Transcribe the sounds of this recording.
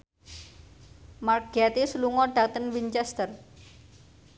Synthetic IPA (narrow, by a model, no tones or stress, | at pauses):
markɡ̥at̪isluŋɔɖ̥at̪ənwint͡ʃɛst̪ər